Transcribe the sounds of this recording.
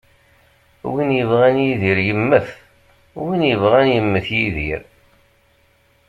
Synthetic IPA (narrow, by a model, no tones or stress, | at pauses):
winjəvʁænjiðiɾjəmːəθ | winjəvʁænjəmːəθjiðḭɾ